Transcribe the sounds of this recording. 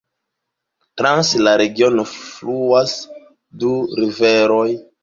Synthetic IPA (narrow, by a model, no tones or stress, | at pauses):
tɾanslaɾe̞ɡio̞nofluas | duɾiveɾoj